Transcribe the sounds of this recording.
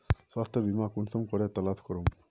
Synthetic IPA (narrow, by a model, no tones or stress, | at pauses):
swast̪ʰɔbimakunsɔmkɔɾet̪ɔlaskɔɾum